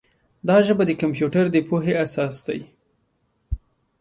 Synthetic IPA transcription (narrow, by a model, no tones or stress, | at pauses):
d̪ɑʒəbad̪əkampjuʈaɾd̪əpoɦeasɑsd̪a̰j